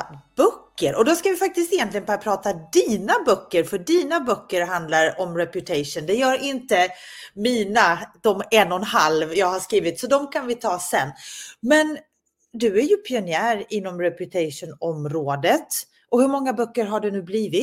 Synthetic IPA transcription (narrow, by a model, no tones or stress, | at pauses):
b̥œkːəɾʔɔd̪ɔskavɪfak̚t̪ɪst̪ɪjɛnt̪lɪɡənbœːɾapʰɾɑːt̪ad̪iːnabœkːəɾfœɖiːnabœkːəɾɦand̪laɾɔmɾɛpjɵt̪ʰɛjʂʊnd̪ɛjœːɾɪnt̪əmiːnad̪̥ɔmɛnːɔnhalvjɑːɡhaʂkɾiːvɪt̪sɔd̪ɔmkʰanvɪt̪ʰɑːsɛ̰nːmɛn | d̪ɵæɾjɵpʰɪʊnɪæːɾɪnːɔmɾɛpjɵt̪ʰɛɪʂʊnɔmɾoːd̪ət̪ | ʔɔhɵɾmɔŋːabœkːəɾɦaɖɵnʉ̟ːbliːvɪ